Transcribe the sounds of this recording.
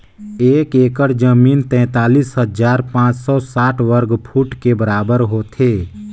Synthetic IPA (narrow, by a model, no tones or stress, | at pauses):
eːkeːkəɾd͡ʒəmiːnt̪ɛ̃ːt̪aːliːsɦəd͡ʒaːɾpãːt͡ʃsɔsaːʈʰʋəɾɡpʰuːʈkebəɾaːbəɾɦot̪ʰeː